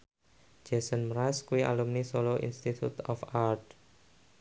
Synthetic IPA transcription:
d͡ʒ̥ɛsənmɾaskuwiʔa̰lumnisoloʔḭnst̪it̪ʰut̪ɔfart̪̚

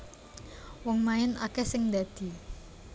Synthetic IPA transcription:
wɔŋmaɪna̰kɛhsɪŋd̪a̤d̪̥i̤

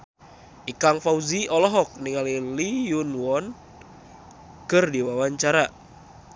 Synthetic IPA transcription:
ʔikaŋfauziɔlɔɦɔk̚niŋalilijunwɔn | kɨrdiwawaɲt͡ʃaɾa

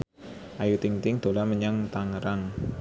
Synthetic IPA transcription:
ʔajut̪ɪŋt̪ɪŋd̪̥o̤laməɲaŋt̪aŋəɾaŋ

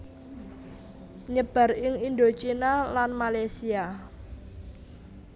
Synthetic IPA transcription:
ɲəb̥a̤rɪŋind̪ot͡ʃinalanmalajsia

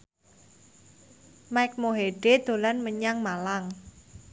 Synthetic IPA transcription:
majk̚moɦeɖ̥ed̪̥o̤lanməɲaŋmalaŋ

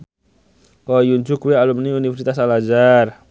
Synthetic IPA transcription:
kojuɲd͡ʒʊkuwealumniunifɛrsit̪as̬alad͡ʒar

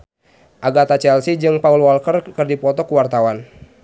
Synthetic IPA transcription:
ʔaɡat̪at͡ʃɛlsid͡ʒɨŋpaulwɔlkərkɨrdipɔt̪ɔkuwart̪awan

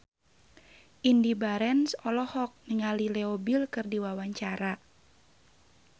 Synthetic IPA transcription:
ʔindibaɾɛnsɔlɔhɔk̚nəŋalilɛobilkɨrdiwawaɲt͡ʃaɾa

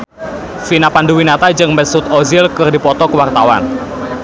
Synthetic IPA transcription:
finapanduwinat̪ad͡ʒɨŋmɛsʊt̪ɔzɪlkɨrdipɔt̪ɔkəwart̪awa̰n

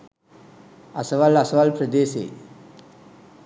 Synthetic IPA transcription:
ɐsɐʋalɐsɐʋalpɾəd̪eːsḛː

